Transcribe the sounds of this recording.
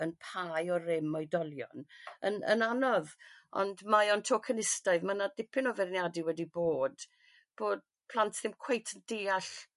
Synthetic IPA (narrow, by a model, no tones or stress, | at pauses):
ənpʰajɔrɪmɔjdɔlˠjɔ̰nə̰nə̰nanɔðɔ̰ndmajɔntʰokʰənɪstaɨðmanadɪpʰɪnɔvɛrnjadiwɛdiboːd̥ | b̥oːd̥̚ | pʰlˠantʰðɪmkʰw̥ejtʰəndeːaɬ